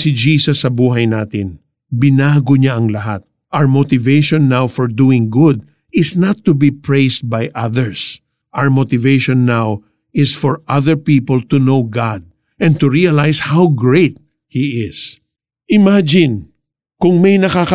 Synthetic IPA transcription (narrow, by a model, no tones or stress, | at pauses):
sɪd͡ʒiːsɐsːɐbuːɦɐjnaːt̪ɪn | bɪnaːɡoɲaʔɐŋlɐɦat̪̚ | ʔawɹmot̪ɪvejʃɔ̃nːawfɔɹd̪uɪ̃ŋɡʊd̪̚ | ʔɪsnɐt̪ːʊbipɹejst̪̚bajʔaðɛɹs | ʔaəɹmot̪ɪveʃɔ̃nːaw | ɪsfɔɹʔɐðəɹpiːpəlt̪unowɡɑd̪̚ | ʔɛ̃nt̪ʊɹiɐlajshawɡɹejt̪̚ | hiɪs | ʔɪmad͡ʒɪ̃n | kʊŋmɛjnɐkakɐ